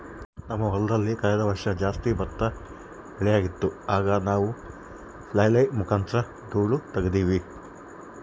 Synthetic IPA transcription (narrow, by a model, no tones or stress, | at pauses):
nɐmːɐɦɔlɐd̪ɐlːikɐɭɐd̪ɐʋɐɾʂɐd͡ʒaːst̪ibɐt̪ːɐ | ɛɭɛjaːɡit̪ːuaːɡɐnaːʋu | plɐjlɐjmukʰaːnt̪ɾɐ | d̪uːɭut̪ɐɡed̪iːʋi